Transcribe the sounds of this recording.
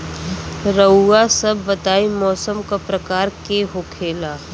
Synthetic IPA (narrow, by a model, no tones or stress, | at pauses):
ɾəasɐbːɐt̪aːimɔːsəmkapɾɐkaːɾkeɦokʰeːlaː